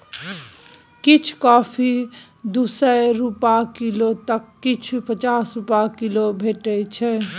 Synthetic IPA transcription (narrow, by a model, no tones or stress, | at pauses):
kit͡ʃʰkɔːpʰi | d̪uːsəɾupakilot̪əkːɪt͡ʃʰpət͡ʃaːsɾupakilobʱeːʈɛt͡ʃʰɛ